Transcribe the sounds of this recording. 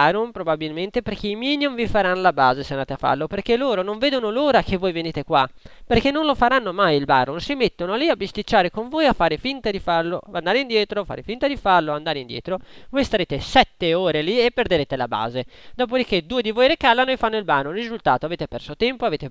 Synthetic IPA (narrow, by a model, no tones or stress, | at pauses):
anonpɾobabilment̪eperkeimiːniumvifaɾanːolabaːzeseandaːt̪eafːa̰rloperkelːoːɾonoɱveːd̪onoloːɾak̟evːojveniːt̪ekwaperkenːonlofaɾanːomajilba̰ːɾonsimet̪ːonoaliabːist̪it͡ʃːaːɾekoɱvojafːaːɾefint̪ad̪ifarloand̪aːɾeind̪jɛːt̪ɾofa̰ɾefint̪ad̪ifarloand̪aːɾeind̪jɛ̰ːt̪ɾovojst̪aɾeːt̪esɛt̪ːeoːɾeliepːeɾd̪eɾeːt̪elaba̰ːzed̪ɔːp̬od̪iked̪uːed̪ivojɾekalːanoefanːoilbaːnonrizult̪aːt̪oaveːt̪epɛrsot̪ɛmpoaveːt̪e